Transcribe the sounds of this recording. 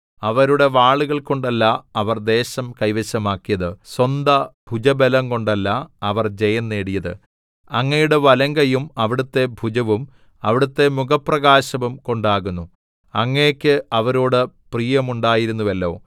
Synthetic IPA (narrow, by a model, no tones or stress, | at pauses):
ɐʋɐɾuɽe̞ʋaːɭuɣɐɭko̞ɳɖɐlːaɐʋɐrd̪e̞ːɕɐmkɐjʋɐɕɐmaːkːijɐðɨswɐnd̪ɐb̥ʱud͡ʑɐbelɐŋko̞ɳɖɐlːaɐʋɐrd͡ʑe̞jɐnːe̞ːɽijɐðɨ̰ | ɐŋːɐjuɽeʋɐlɐŋɡɐjumɐʋiɽut̪ːe̞bʱud͡ʑɐʋum | ɐʋiɽut̪ːe̞muɡɐprɐɣaːɕɐʋumko̞ɳɖaːɣunːu | ɐŋːekʲːɨʔɐʋɐɾoːɽɨprijɐmuɳɖaːjiɾunːuʋɐlːo̞ː